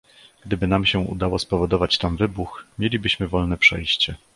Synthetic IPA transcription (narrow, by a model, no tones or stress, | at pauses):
ɡ̥d̪ɘbɘn̪amɕɛṵd̪awɔspɔvɔd̪ɔvat͡ɕt̪amvɘbuxmʲjelʲibɘɕmɘvɔlnɛpʂɛjɕt͡ɕɛ